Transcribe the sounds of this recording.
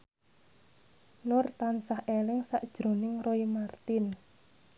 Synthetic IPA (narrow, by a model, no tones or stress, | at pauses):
nʊrt̪ansahelɪŋsaʔd̥ʒ̥ɾo̤nɪŋroimart̪ɪn